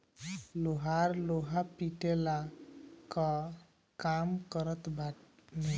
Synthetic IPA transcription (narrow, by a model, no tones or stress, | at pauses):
loɦaɾloɦapiʈelakə | kamkəɾət̪baʈme